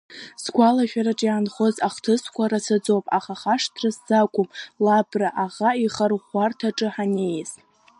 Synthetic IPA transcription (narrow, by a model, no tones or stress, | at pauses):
sɡʷalaʃᶣaɾaʈ͡ʂʼjaːnχozaχtʰɨskʷaɾasad͡zopʼaχaχaʂtʰraszakʷʼʊmlabraʔaʁaiχarχʷartʰaʈ͡ʂʼɨħanejz̥